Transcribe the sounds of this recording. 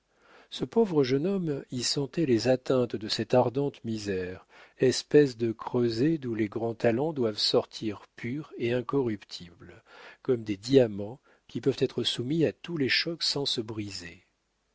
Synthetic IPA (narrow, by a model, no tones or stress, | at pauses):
səpovʁəʒənɔmisɑ̃t̪ɛlezat̪ɛ̃t̪d̪əsɛt̪aʁd̪ɑ̃t̪mizɛʁ | ɛspɛs̬d̪əkχøzed̪ũleɡʁɑ̃t̪alɑ̃d̪wavsɔʁt̪ʰiʁpʰyʁeɛ̃kɔʁypt̪ʰiblkɔmd̪ed̪iamɑ̃ | kʲipœvt̪ɛt̪χəsumiat̪uleʃɔksɑ̃səbʁize